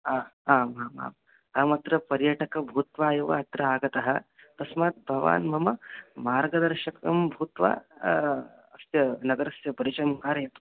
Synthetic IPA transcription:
aːaːmaːma̰ːm | ɐmɐt̪ɾɐpɐɾjɐʈɐkɐbʱuːt̪ʋaːjɐʋɐ̰ɐt̪ɾɐaːɡɐt̪ɐɦɐ̆ | t̪ɐsmaːt̪̚bʱɐʋa̰ːnmɐmɐmaːɾɡɐd̪ɐɾʃɐkɐmbʱuːt̪ʋa̰ː | ɐsjɐnɐɡɐɾɐsjɐbɐɾit͡ʃɐmkaːɾjɐt̪u

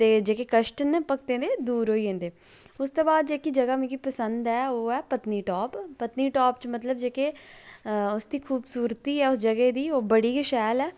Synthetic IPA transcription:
t̪eːd͡ʒeːkeːkəʃʈənːpək̚t̪ẽːd̪eːd̪uːɾɦoːiːɦẽːnd̪eː | ʊst̪oːbaːd̪̚d͡ʒeːkiːd͡ʒəɡaːmĩːkipəsənd̪ɛːoːɛːpət̪niːʈɔːpːət̪niːʈɔːp̚t͡ʃmət̪ləbd͡ʒeːkeː | ʊsd̪iːkʰuːbsuːɾt̪iːɛːʊsd͡ʒəɡeːd̪iːoːbəɽiːkɪʃɛːlɛː

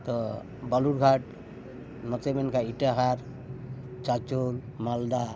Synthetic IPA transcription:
t̪ɔ | baluɾɡʱaʈ̚ | mɔt͡ʃemenkaiʈaɦaɾ | t͡ʃat͡ʃol | mald̪a

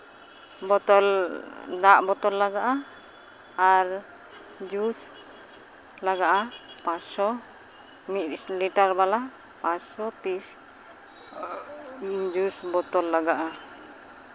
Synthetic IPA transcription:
bɔt̪ɔldaʔbɔt̪ɔlːaɡaʔa | aɾ | d͡ʒus | laɡaʔapasɔ | mit̪sliʈaɾbala | pasɔpis | d͡ʒusbɔt̪ɔlːaɡaʔa

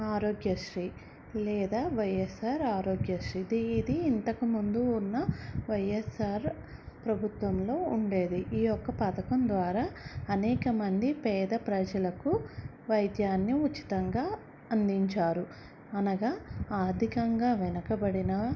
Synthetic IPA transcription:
aːɾoːɡjɐʂɾiː | lɛːd̪aːʋɐjesaːɾaːɾoːɡjɐʂɾiːd̪iːd̪iːnt̪ɐkumund̪uːnːɐʋɐjesaːɾ | pɾɐbʱut̪ʋɐmlo̞ːuɳɖe̞ːd̪iʔiːjɔkːɐpɐt̪ɐkɐmd̪ʋaːɾaːɐnɛːkɐmɐnd̪ipɛːd̪ɐpɾɐd͡ʒɐlɐku | ʋɐjd̪jaːnːiut͡ʃːi̥t̪ɐŋɡaː | ɐnd̪iɲt͡ʃaːɾu | ɐnɐɡaːaːd̪ʱikɐŋɡaːʋɛnɐkɐbɐɽinɐ

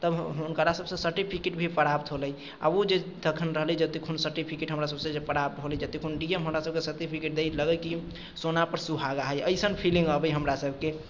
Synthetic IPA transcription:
t̪əbunkəɾasəbsə̃səɾʈipʰikeʈbʱipəɾap̚t̪ɦoləj | a̰bod͡ʒed̪əkʰənɾəɦlɛd͡ʒət̪ekʰunsəɾʈipʰikeʈɦəmɾasəbsẽd͡ʒepəɾap̚t̪ɦolɛjd͡ʒət̪ekʰunɖiemɦəmɾasəbkesəɾʈ̪ipʰikeʈ̚d̪ejləɡəjki | sonapəɾsubʱaɡaɦəjəɪsənpʰilĩŋɡəbəjɦəmɾasəbke

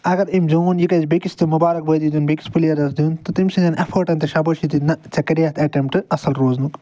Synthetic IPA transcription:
ɐɡɐɾimzuːnjikɐzbekist̪ɨmubaːɾɐk̚bɐːd̪id̪unbeki̥spulijɐɾɐsd̪uːnt̪ɨt̪imʲsiɐnʔɐfʰoːʈɐnt̪ɐʃɐbɐʃit̪inɐt͡ʃɐkɐɾjaːt̪ɐʈempʈɨɐsɐlɾoːznuk

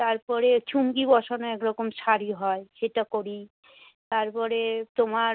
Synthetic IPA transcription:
t̪aɾpɔɾet͡ɕʰumkibɔʃonoɛkɾɔkomʃaɾiɦɔeʃeʈakoɾi | t̪aɾpɔɾet̪oma

